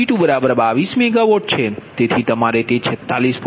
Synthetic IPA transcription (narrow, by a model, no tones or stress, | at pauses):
iʈubəɾabəɾbaʋismɛɡaʋoʈ̚t͡ʃʰet̪et̪ʰit̪əmaɾet̪et͡ʃʰɛt̪ːalisp